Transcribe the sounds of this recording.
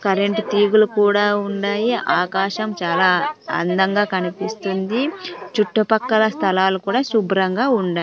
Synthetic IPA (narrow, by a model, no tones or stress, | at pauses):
kɐɾeɳʈt̪iːɡulukuːɽaːuɳɖaːjiʔaːkaːʃɐmt͡ʃaːlaːɐ̰nd̪ɐŋɡaːkɐnipist̪und̪it͡ʃuʈːupɐkːɐlɐst̪ʰɐlaːlukuːɽaːsubɾɐŋɡaːuɳɖaː